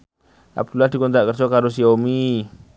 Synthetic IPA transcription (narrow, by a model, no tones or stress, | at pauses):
a̰b̚d̥ulahdikɔnt̪aʔkərsɔkaɾus̬iomi